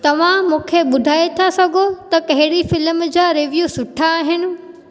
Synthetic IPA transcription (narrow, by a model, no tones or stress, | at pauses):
t̪ɐʋ̤ãmũːkʰeɓʊd̪ʱaːet̪ʰasɐɡʱot̪ɐkɐɦɪɽifɪlmd͡ʑaːɾɪʋjuːsʊʈʰaːɦɪnɪ̆